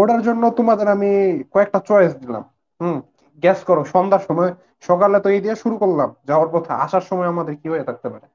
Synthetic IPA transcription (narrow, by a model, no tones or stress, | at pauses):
oɽaɾd͡ʑonːot̪omad̪eɾamikɔek̚ʈat͡ɕɔjes̬d̪ila̰m̩ | ɡɛskɔɾoʃɔnd̪aɾʃɔmɔe | ʃɔkalet̪oejd̪iaʃuɾukoɾlamd͡ʑaoaɾpɔt̪ʰaa̰ʃaɾʃɔmɔeamad̪eɾkiɦojet̪ʰak̚t̪epaɾe